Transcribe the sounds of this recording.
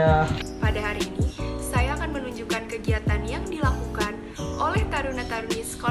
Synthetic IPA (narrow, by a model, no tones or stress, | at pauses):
apadaɦaɾiːnisajaːkanmənuɲd͡ʒukankəɡiat̪anjaŋdilakukan | ʔolɛht̪aɾunat̪aɾunisko